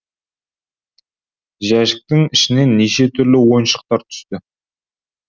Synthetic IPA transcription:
ʒæʃɪ̥k̚t̪ɪŋɪʃɪne̞nːeʃe̞t̪ʰʏɾlɪwo̞jnʃə̥q̚t̪ɑɾt̪ʰʏ̥st̪ɪ

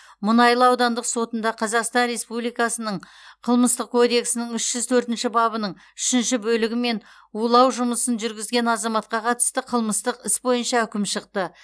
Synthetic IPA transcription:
mʊnɑjlˠəɑwd̪ɑnd̪əqso̞t̪ənd̪ɑqʰɑzɑqst̪ɑnɾe̞spublijkɑsənəɴ | qʰəlˠməst̪əq̚kʰo̞d̪e̞ksɪnɪŋʏʃʒ̥ʏzt̪ʰɵɾt̪ɪnʃɪbɑbənəɴ | ʏʃɪnʃɪbɵlɪɡʲɪme̞n | ulˠɑwʒʊməsənʒʏɾɡʲɪzɡʲe̞nɑzɑmɑt̪̚qɑqʰɑt̪ə̥st̪əqʰəlˠməst̪əqɪsbo̞jənʃɑʏkʲɪmʃəqt̪ə

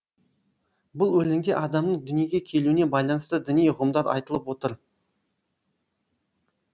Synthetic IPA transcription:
bʊlˠwɵleŋɡʲe̞ʔɑd̪ɑmnəɴd̪ʏnije̞ɡʲe̞kʲʰe̞lune̞bɑjlˠɑnəst̪əd̪ʏnijʊʁəmd̪ɑɾɑ̰jt̪əlˠəpwo̞t̪əɾ

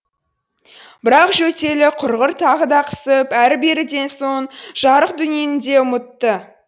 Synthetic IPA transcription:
b̥ɪɾɑqʒɵt̪e̞lɪqʰʊɾʁəɾt̪ʰɑʁəd̪ɑqʰə̥səpæɾbeɾɪd̪e̞nso̞ɴʒ̥ɑɾəq̚d̪ʏnje̞nd̪e̞ʊmət̪ːə

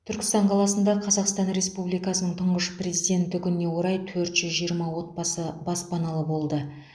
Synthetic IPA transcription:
t̪ʰʏɾkʲɪ̥st̪ɑɴqʰɑlˠɑsənd̪ɑqʰɑzɑqst̪ɑnɾe̞spublijkɑsənəɴt̪ʰəɴʁəʃpre̞zijd̪ʲe̞nt̪ɪkʲʏnɪne̞wo̞ɾɑjt̪ʰɵɾt̪ʒ̥ʏzʒijəɾmɑwo̞t̪̚bɑsəbɑspɑnɑlˠəbo̞lˠd̪ə

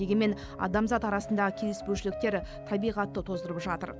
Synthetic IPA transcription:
e̞ɡʲeme̞n | ɑ̰d̪ɑmzɑt̪ɑɾɑsənd̪ɑʁəkʲʰe̞lɪspɵʃɪlɪk̚t̪e̞ɾt̪ʰɑbijʁɑt̪ːət̪ʰo̞zd̪əɾəpʒɑt̪ə̰ɾ

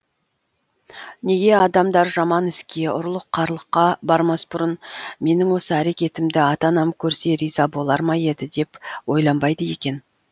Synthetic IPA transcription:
ne̞ɡʲe̞ɑd̪ɑmd̪ɑɾʒɑmɑnɪskʲe̞ʊɾlˠəqʰːɑɾlˠəqːɑbɑɾmɑsbʊɾənme̞nɪŋwo̞səæɾe̞kʲe̞t̪ɪmd̪ɪɑt̪ɑnɑmkʲʰɵɾse̞ɾijzɑbo̞lˠɑɾmɑje̞d̪ɪd̪e̞pwo̞jlˠɑmbɑjd̪əje̞kʲe̞n

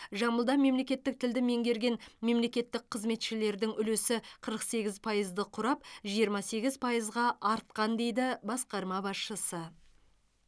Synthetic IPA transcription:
ʒɑməlˠd̪ɑme̞mle̞kʲe̞t̪ːɪk̚t̪ʰɪld̪ɪme̞ŋɡʲe̞ɾɡʲe̞nme̞mle̞kʲe̞t̪ːɪk̚qʰəzme̞t̪ʃɪle̞ɾd̪ɪŋʏle̞sɪqʰəɾəqse̞ɡʲɪzpʰɑjəzd̪əqʰʊɾɑp̚ʒijəɾmɑse̞ɡʲɪzpʰɑjəzʁɑʔɑɾt̪̚qɑnd̪e̞jd̪ɪbɑsqɑɾmɑbɑsʃəsə

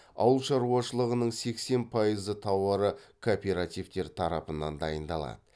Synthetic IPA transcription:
ɑ̰wəlˠʃɑɾuɑʃəlˠəʁənəɴse̞kse̞npʰɑjəzət̪ʰɑwɾəkʰopʲe̞ɾat̪ijvt̪e̞ɾt̪ʰɑɾɑpənɑnd̪ɑjənd̪ɑlˠɑ̰d̪ə

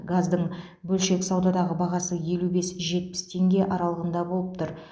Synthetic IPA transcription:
ɡazd̪əɴ | bɵlʃe̞kʲsɑwd̪ɑd̪ɑʁəbɑʁɑsəje̞lube̞sʒe̞t̪̚pɪ̥st̪ʰe̞ŋɡʲe̞ʔɑɾɑlˠəʁənd̪ɑbo̞lˠəp̚t̪ʰʊɾ

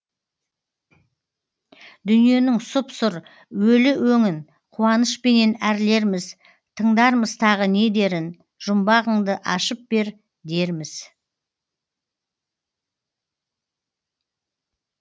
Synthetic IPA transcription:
d̪ʏnije̞nɪŋsʊpsʊɾ | wɵlɪwɵŋɪn | qʰuɑnəʃpe̞ne̞næɾle̞ɾmɪz | t̪ʰəɴd̪ɑɾməzt̪ʰɑʁəne̞d̪e̞ɾɪn | ʒ̥ʊmbɑʁəɴd̪əʔɑʃəp̚b̥e̞ɾ | d̪e̞ɾmɪz̥

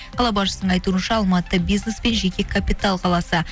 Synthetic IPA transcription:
qʰɑlˠɑbɑʃəsəɴɑjt̪uənʃɑːlˠmɑt̪ːəbijznespenʒe̞kʲe̞kʰapʲit̪alˠqʰɑlˠɑsə

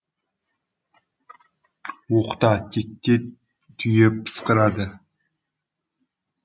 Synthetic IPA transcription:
woqt̪ɑt̪ʲʰek̚ʲt̪ʲe | t̪ʰʏjeppʰːə̥sqəɾɑd̪ə

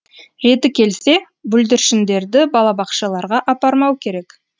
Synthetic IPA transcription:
ɾe̞t̪ɪkʲʰe̞lse̞ | bʏld̪ɪɾʃɪnd̪e̞ɾd̪ɪbɑlˠɑbɑqʃɑlˠɑɾʁɑʔɑpɑɾmɑwkʲʰe̞ɾe̞k

